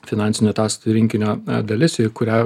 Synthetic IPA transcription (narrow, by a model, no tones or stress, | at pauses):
fʲɪnɑnʲsʲɪnʲoːt̪ɑːst̪ɾʲɪŋʲkʲɪnʲoːd̪ɐlʲɪsɪkʊɾʲæː